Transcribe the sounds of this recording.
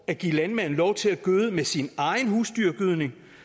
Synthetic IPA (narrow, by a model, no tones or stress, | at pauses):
æɡ̥ḭlænmæn̰n̩lɒʊt͡sʰe̝læɡ̥øːð̩ˠəmesinɑ̈ɪn̩huːsd̥yɐ̰ɡ̥yð̞̰ˠne̝ŋ